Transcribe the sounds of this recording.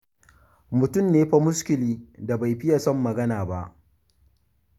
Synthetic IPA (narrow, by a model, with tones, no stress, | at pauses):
mʊ˨tʊ˦˨mneː˦ɸa˦mʊ˦skʲɪ˨liː˦da˨ba˨jɸɪ˦ja˨sɔ˦˨mːɐ˨ɡɐ˦naː˨ba˦ʔ